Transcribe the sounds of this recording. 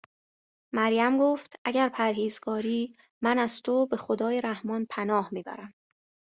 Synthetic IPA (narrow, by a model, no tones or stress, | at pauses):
mæɾjæmɡoːft̪ʰʔæɟæɾpʰæɾɦiːzɡɒːɾiː | mænæz̥t̪ʰobe̞xo̞d̪ɒːjeɾæhmɒnpʰænɒːhmiːbæ̰ɾæm